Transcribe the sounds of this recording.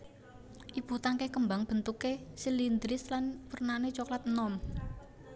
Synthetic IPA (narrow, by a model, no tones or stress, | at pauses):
ʔib̥ṳt̪aŋkekəmbaŋb̥ə̤nt̪ukesilind̪ɾɪslanpurnanet͡ʃoklat̪̚nɔm